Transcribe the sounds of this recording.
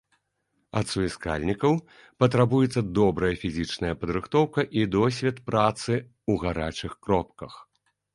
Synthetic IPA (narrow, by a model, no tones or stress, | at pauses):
ɐ̰t̪suiska̰lʲnʲikɐw | pɐt̪̬ɾabujɛt̪sːɐd̪ɔbɾɐjɐfʲizʲit͡ʂnɐjɐpɐd̪ɾɨxt̪ɔwkɐʔid̪ɔsʲvʲɛt̪pɾat̪sɨ | uɣaɾat͡ʂɨxkɾɔpkɐx